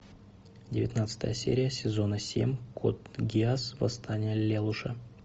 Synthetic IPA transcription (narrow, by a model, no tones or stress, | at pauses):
dʲɪvʲɪt̪nat̪sɨ̥t̪ə̰jəsʲḛɾʲɪjəsʲɪzo̞nəsʲḛmʲkʰot̪ɡʲɪasvɐ̰st̪ʰanʲɪjəlʲelˠʊʂə